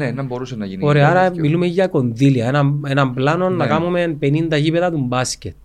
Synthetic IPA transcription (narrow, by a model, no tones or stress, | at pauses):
nenɐmbo̞ɾusenːɐʝinioɾeɐaɾɐmilume̞ʝɐko̞nðiliɐenɐme̞nɐmblɐno̞nːɐkɐmume̞npe̞nind̪ɐʝipeðɐt̪umbɐscet̪